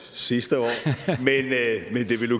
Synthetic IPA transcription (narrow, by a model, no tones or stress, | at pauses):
sisd̥əɒ̰ːmenmend̥e̝ʋe̝lu